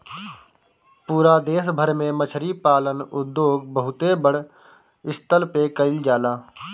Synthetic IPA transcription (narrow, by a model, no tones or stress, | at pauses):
puːɾaːd̪eːs̬bʱəɾmẽmət͡ʃʰɾipaːlənʊd̪ːjoːɡ̚bəɦʊt̪ebəɽ̤ | ɪst̪əlpekəɪld͡ʒaːlaː